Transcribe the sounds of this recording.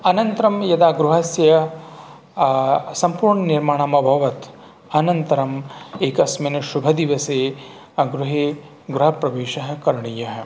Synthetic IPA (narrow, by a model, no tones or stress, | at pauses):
ɐnɐnt̪ɾɐmjɐd̪aːɡɾuɦɐsjɐ | sɐmpuːɾɳɐniɾmaːɳaːmɐbʱɐʋɐt̪ | ɐnɐnt̪ɐɾɐmeːkɐsmɐːnɐʃubʱɐd̪iʋɐseː | ɡɾuɦeː | ɡɾuɦɐpɾɐʋeːʃɐɦɐ̆kɐɾɐɳijɐɦɐ̆